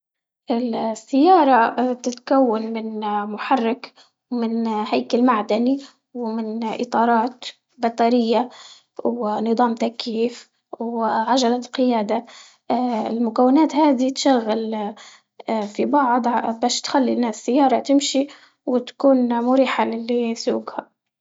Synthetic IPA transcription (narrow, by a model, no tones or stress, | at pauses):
ʔɪlsːajːɑːɾˤɑt̪ɪt̪kawːanmɪnmʊħɑrˤːɑk | mɪnhajkalmaʕd̪ani | wmɪnʔɪ̰t̪ˤɑːɾˤɑːt̪ | bɑt̪ˤɑɾɪjːa | wnɨðˤɑːmt̪akjiːf | wʕad͡ʒalaqɪjaːd̪a | ɪ̰lmʊkawːɪnaːt̪haːd̪it̪ʃaɣːal | fibɑʕd̪ˤbaːʃt̪xalːinːaːsːajːɑːɾˤɑt̪ɪmʃi | wɪt̪kuːnmʊɾiːħalɪlːisuːɡha